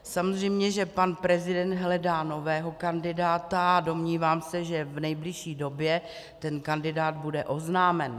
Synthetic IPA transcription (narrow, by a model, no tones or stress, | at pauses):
samozr̝ɛjmɲɛʒɛpanpɾɛzɪdɛnd̪ɦlɛdaːno̞vɛːɦo̞kandɪdaːt̪aado̞mɲiːvaːmsɛʒɛvnɛjblɪʃiːdo̞bjɛ | t̪ɛnkandɪdaːd̪̚budɛʔo̞znaːmɛn